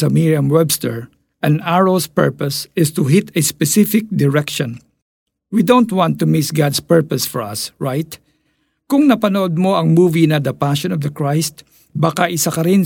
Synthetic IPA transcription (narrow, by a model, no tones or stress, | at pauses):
ɐmiɹiɐmwɛbst̪ɛɹ | ʔɐ̃naɹospɛ̰ɹpɐsɪst̪ʊɦit̪ɛspɛsɪfɪk̚d̪ɪɹɛkʃɔ̃n | wid̪õwnt̪wɑ̃nt̪ːʊmɪsɡad̪spɛɹpɔsfɔɹɐ̰sɹajt̪ | kʊŋnɐpɐnoʔod̪̚moɐŋmuːvinɐd̪ɐpaʃɔ̃nɔvd̪ɐkɹajst̪ | bakaʔɪsakɐɾɪn